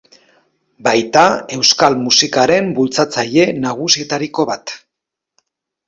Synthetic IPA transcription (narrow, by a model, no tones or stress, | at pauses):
bajt̪ae̞wskalmusikaɾe̞mbult͡sat͡saʎe̞naɣ̞usie̞t̪aɾiko̞βat̪